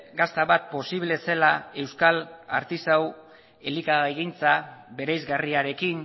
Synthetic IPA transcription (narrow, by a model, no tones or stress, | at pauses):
ɡast̪aβat̪̚po̞siβle̞se̞lae̞wskalaɾt̪isaw | e̞likaɣajɣint͡saβe̞ɾajzɣariaɾe̞kin